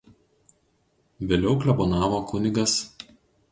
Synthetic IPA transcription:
ʋʲeːlʲɛʊklʲɛbɔnɑːʋoːkʊnʲɪɡɐs

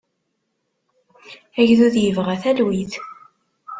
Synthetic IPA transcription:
æʝðuðjəvʁæθælwiθ

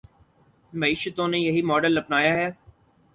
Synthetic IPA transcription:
mɐiːʃət̪õnejɐɦimɔːɖəlːɐpnaːjaɦɛː

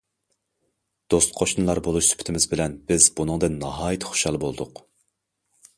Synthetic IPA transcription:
d̪̥ost̪qʰoʃunlˠɑɾbolˠuʃsy̥pʰɪ̥t̪ʰɪmɪzbɪlɛnbɪz̥bunɨŋd̪ɨnːɑɦɑːjt̪ʰɨ̥χo̥ʃɑlˠbolˠd̪ʊq

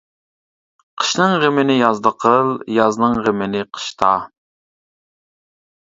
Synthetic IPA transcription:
qʰə̥ʃnɨŋʁemɪnɪjɑzd̪əqʰəlˠjɑznɨŋʁemɪnɪqʰə̥ʃt̪ʰɑ

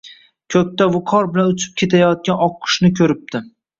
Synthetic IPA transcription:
kʲʰɵkʲt̪avʊqʰɒɾbɪlanʊt͡ʃʰɪ̥p̚kʲʰe̞t̪ʰajɒt̪̚kʲanɒqʰːɨ̥ʃnɪkʲʰɵɾɪp̚d̪ɪ

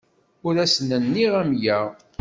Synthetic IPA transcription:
ʊɾæsnənːiʁæmjæʁ

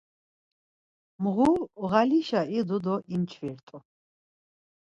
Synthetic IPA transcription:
mʁuʁaliʃaid̪ɔd̪ɔʔint͡ʃʰviɾt̪ʼu

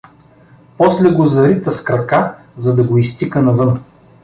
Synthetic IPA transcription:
pɔslɛɡozɐɾit̪ɐskɾɐka | zɐd̪ɐɡoist̪ikənɐvɤn

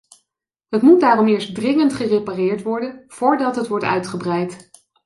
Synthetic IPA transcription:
ɦətmut̚daːrɔmɪːɹstdrɪŋəntχəreparɪːɹtʋɔɹdənv̥oːɹdɑtɦətʋɔɹtœ̰ɥtχəbrɛjt

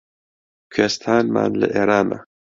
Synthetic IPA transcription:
kʰɛst̪ʰaːnma̰ːnlɨ̰ʔeːɾaːmɛ̰

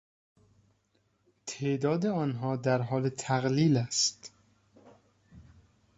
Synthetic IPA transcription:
t̪ʰeʔd̪ɒːd̪eɒːnɦɒːd̪æɾɦɒːlet̪ʰæɣliːlæst̪

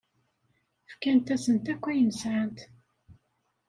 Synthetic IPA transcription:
fkænt̪æsənt̪ækʷːæjəməsʕənt̪

